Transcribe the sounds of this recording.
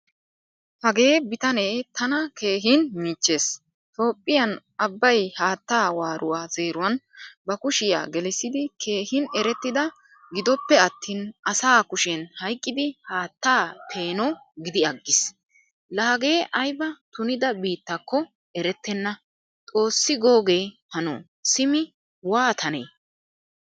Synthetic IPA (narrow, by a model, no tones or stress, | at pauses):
hɐɡe̞ːbɪt̪ɐne̞ːt̪ʰɐnɐke̞ːɦɪnmiːt͡ʃːe̞ːs | t̪ʼo̞ːpʼːɪjɐn | ɐbːɐjhaːt̪ːaːwaːɾʔʊwaːz̥e̞ːɾʊwɐnbɐkʊʃɪja̰ːɡɛlɪsːɪd̪ɪkʰe̞ːhɪnɛɾɛt̪ːɪd̪ɐ | ɡɪd̪ɔpːɛɐt̪ːiːnɐsaːkʊʃɛnhɐjkʼːɪd̪ɪhaːt̪ːaːpʰe̞ːnɔɡɪd̪ɪɐɡːɪs | laːɡe̞ːʔɐjbɐt̪ʊnɪd̪ɐbiːt̪ːɐkʰːɔ | ɛɾɛt̪ːɛnːɐ | t̪ʼo̞ːsːɪɡo̞ːɡe̞ːhɐnɔ̰ | sɪmɪ | waːt̪ʰɐnḛː